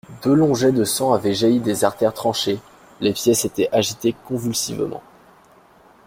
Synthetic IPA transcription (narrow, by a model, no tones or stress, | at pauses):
d̪ølɔ̃ʒɛd̪əsɑ̃avɛʒaid̪ezaʁt̪ɛʁt̪χɑ̃ʃe | lepjɛset̪ɛʔaʒit̪ekɔ̃vylsivmɑ̰̃